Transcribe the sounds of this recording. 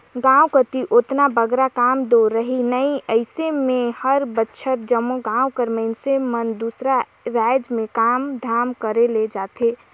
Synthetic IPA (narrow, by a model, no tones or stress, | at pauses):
ɡãukət̪iʔot̪nabəɡɾakamd̪oɾəɦinəiəɪsemehəɾbətːt͡ʃʰət̪̚d͡ʒəmːoɡãukəɾməɪnsemənd̪usɾa | ɾad͡ʒmẽkamd̪ʱamkəɾeled͡ʒat̪ʰe